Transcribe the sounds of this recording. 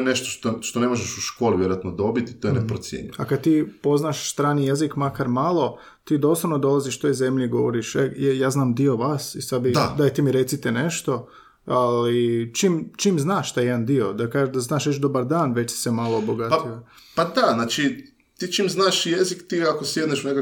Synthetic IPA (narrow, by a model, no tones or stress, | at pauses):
neʃt̪oʃt̪oʃt̪onemoʒeʃuʃkoːliʋʲjeɾoat̪nod̪o̞bit̪it̪ojenepɾot̪sʲjḛɲḭakad̪̚t̪iːpo̞znaʃst̪ɾaːnijezikmakaɾmalˠo̞ | t̪iːd̪oslˠoʋnod̪o̞lˠaziʃt̪o̞jzemʎiɡo̞ʋoɾiʃejjaːznaːmd̪io̞ʋaːsisad̪bid̪ad̪ajt̪ɛmiɾet̪sit̪ɛneʃt̪o̞ | alit͡ʃimt͡ʃimznaːʃt̪ajjd̪and̪io̞d̪akaːʒeʒd̪aznaːʃʋet͡ʃd̪obaɾd̪aːnʋet͡ʃsi̥semalˠoboɡat̪ia | pad̪aznaːt͡ʃi | t̪iːt͡ʃiːmznaːʃjezikt̪iːakosjed̪neʃuneka